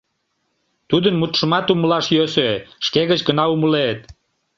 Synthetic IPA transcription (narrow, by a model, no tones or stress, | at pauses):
t̪ud̪ənmut̪ʃəmɑt̪uməlɑʃjøsøʃkeɣət͡ɕɡənɑuməlet̪